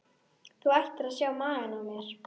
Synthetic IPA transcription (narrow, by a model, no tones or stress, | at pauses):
θuajht̪ɪɾaðsjaːwmaːðɪnawmjɛɾ̥